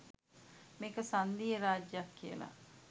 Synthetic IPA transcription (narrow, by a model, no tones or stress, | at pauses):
meːkəsand̪ieɾaːd͡ʒjɐkːijə̰la̰